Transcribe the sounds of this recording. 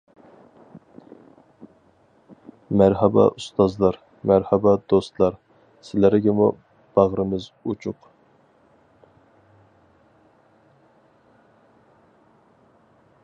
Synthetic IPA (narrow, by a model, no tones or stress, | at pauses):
mæɾɦɛbɛ̰ʔust̪ɑzlˠɑɾ | mæɾhɛbɑd̪ost̪lˠɑɾ | sɪlæɾɡʲɛmṵ | b̥ɑʁɾɨmɨzut͡ʃʰʊq